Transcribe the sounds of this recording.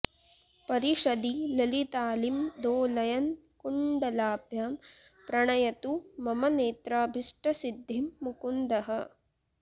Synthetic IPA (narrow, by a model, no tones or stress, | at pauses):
pɐɾiʂɐd̪ilɐlit̪aːlimd̪oːlɐjɐn | kuɳɖɐlaːbjaːm | pɾɐɳɐjɐt̪umɐmɐneːt̪ɾaːbʱiʂʈɐsid̪ʱːimːukund̪ɐɦɐ̆